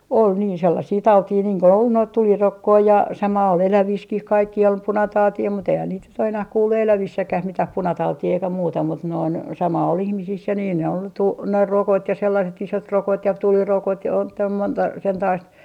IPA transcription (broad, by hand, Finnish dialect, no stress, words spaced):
ol niːn selːɑsiː tɑutiː niːŋ ko ol noit tulirokːoi jɑ sɑmɑ ol elæʋiskih kɑikːiː ol punɑtɑutiː mut eihæn niːt nyt o enæh kuːlːu elæʋisːækæh mitæh punɑtɑutiː eikæ muːtɑ mut noin sɑmɑ ol ihmisis jɑ niːn ne ol tu ne rokot jɑ selːɑset isotrokot jɑ tulirokot jɑ on tæːl montɑ sentɑist